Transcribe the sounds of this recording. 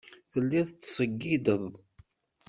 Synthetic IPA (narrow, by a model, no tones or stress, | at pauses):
θəlːiðt͡sːsˤəɡːid̪əðˤ